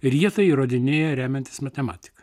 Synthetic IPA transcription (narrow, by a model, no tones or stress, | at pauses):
ɾʲiɛt̪ɐɪiɾoːd̪ʲɪnʲeːjɛɾʲæːmʲɛnʲt̪ʲɪsmɐt̪ʲɛmɑːt̪ʲɪ̥kɐ